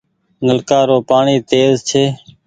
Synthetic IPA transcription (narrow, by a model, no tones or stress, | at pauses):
nəlkaːɾoːpaːɳiːt̪eːzt͡ʃʰeː